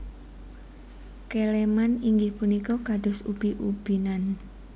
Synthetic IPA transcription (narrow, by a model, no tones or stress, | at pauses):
kelemaniŋɡɪhpunikɔkaɖɔ̤sub̥iʔub̥inan